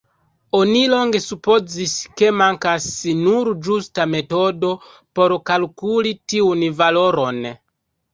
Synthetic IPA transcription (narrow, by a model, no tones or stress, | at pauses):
onilo̞ŋɡe̞supo̞ziske̞maŋkasinuɾd͡ʒustame̞to̞do̞ | po̞ɾkalkulitiunvalo̞ɾo̞n